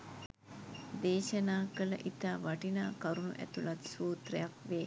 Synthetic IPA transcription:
d̪eːʃənaːkələ̰ʔit̪aːʋaʈinaːkaɾunṵʔæ̰t̪ulat̪suːt̪rəjakʋeː

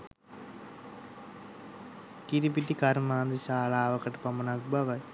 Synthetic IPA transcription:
kiɾip̬iʈikaɾmaːnd̪əʃaːlaːʋəkəʈəpamənak̚baʋaj

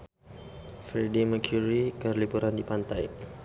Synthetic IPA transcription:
fɾidiməkʰjuɾikərlipuɾandipant̪aj

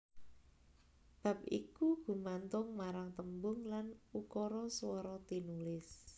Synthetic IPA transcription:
b̥a̤p̚ḭkuɡ̥ṳmant̪ʊŋmaɾaŋt̪əmbʊŋlanukɔɾɔswɔɾɔt̪inulɪs

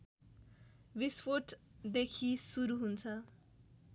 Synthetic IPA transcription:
bispʰoʈ | d̪ekʰisuɾuɦunt͡sʰʌ

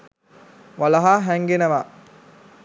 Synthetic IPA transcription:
ʋalɐɦaːɦæŋɡenəʋa

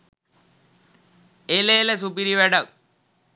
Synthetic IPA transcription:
eleːləs̬upiɾiʋæɖak

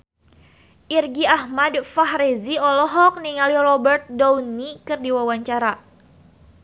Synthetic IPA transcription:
ʔirɡiahmadfaɦɾeziɔlɔɦɔk̚niŋalirɔbɛrt̪̚dɔwnikɨrdiwawaɲt͡ʃaɾa

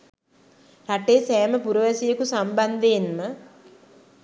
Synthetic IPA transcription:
raʈeːsɛːməpuɾəʋasijəkusamband̪eːnmə

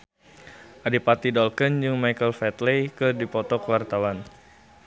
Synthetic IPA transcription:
ʔadipat̪idɔlkənd͡ʒɨŋmajkəlfɛt̪lekədipɔt̪ɔkəwart̪awan

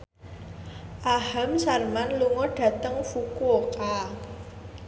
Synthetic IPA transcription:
ʔahamsarmanluŋɔɖ̥ä̤t̪əŋfukuoka

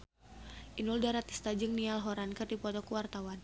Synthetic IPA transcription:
ʔinuldaɾat̪i̥st̪ad͡ʒɨŋnialɦɔɾankɨrdipɔt̪ɔkuwart̪awan

